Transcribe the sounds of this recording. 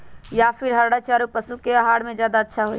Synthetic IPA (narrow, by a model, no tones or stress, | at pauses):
japʰɪɾɦəɾɽət͡ʃʰaɾupəsukeaɦaːɽmẽd͡ʒjaːd̪aətːʃʰaɦoi